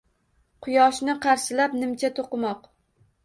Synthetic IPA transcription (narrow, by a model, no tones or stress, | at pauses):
qʰʊjɒʃnɪqʰɑɾʃɪlapnɪmt͡ʃʰat̪ʰoqɨmɒq